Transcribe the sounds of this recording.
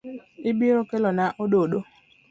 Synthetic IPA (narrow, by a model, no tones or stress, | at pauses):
ɪbiɾokelɔnaʔoɗoɗo